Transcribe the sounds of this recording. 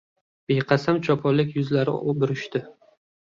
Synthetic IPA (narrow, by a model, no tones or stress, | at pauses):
b̥eqʰɑsamt͡ʃʰɒpʰɒlɪkʲjʊzlaɾɪ̰bʊɾɪʃt̪ɪ